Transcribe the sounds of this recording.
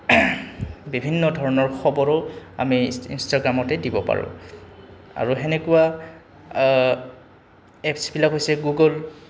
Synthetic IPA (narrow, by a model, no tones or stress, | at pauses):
bibʱinːɔdʱɔɹɔnɔɹxɔbɔɹɔa̰miinstaɡɹamɔtɛdibɔpa̰ɹʊ̰̃ | a̰ɹuɦenekuwa | ɛpsbilakɦojsɛɡuɡɔl